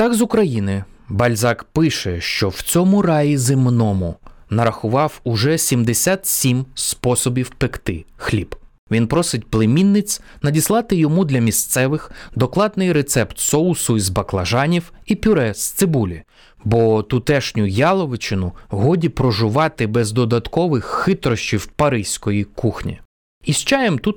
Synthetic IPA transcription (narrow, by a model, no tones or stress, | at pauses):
t̪ɑɡzʊkɾɐjinɪ | bɐlʲzɑkpɪʃɛʃt͡ʃɔwt͡sʲɔmʊrɑjizɪmnɔmʊnɐɾɐxʊʋɑwʊʒɛsʲimd̪esʲat̪sʲimspɔsɔbʲiwpɪkt̪ɪ̰xlʲib | ʋʲinpɾɔsɪtʲplˠemʲinːɪt͡sʲ | nɐdʲislˠɑt̪ɪjɔmud̪lʲɐmʲist̪sɛʋɪxd̪ɔklˠɑd̪nɪjɾet̪sɛpt̪sɔlsʊizbɐklˠɐʒɑnʲiwipʲʊɾɛst̪sɪbulʲi | bɔt̪ʊt̪ɛʃnʲʊjɑlˠɔʋɪt͡ʃɪnʊɦɔdʲipɾɔʒʊʋɑt̪ɪbɛzd̪ɔd̪ɐt̪kɔʋɪxːɪt̪ɾɔʃʲt͡ʃiwpɐɾɪsʲkɔjikuxnʲḭ | ist͡ʃɑjemt̪ut̪